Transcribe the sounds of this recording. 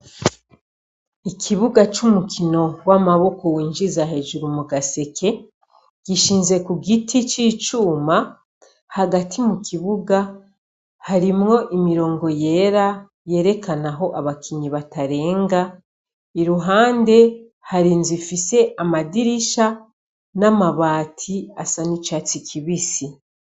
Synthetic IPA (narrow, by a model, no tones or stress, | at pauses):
ikʰiβuɡat͡ʃumukʰino̞wamaβo̞ko̞wiːnʒizaɦe̞ʒuɾumuɡase̞kʰe̞ | ɡ̥iʃiːnze̞kuɡitʰit͡ʃiːt͡ʃuːma | haɡatʰimukiβuɡa | haɾimŋo̞ʔimiɾo̞ːŋɡo̞je̞ːɾa | je̞ːɾe̞kanaɦo̞ʔaβakʰiɲiβataɾe̞ːŋɡa | iɾuɦaːnde̞ | haɾiːnzifise̞ʔamadiɾiʃa | namaβaːtʰiasanit͡ʃaːt͡sikʰiβisi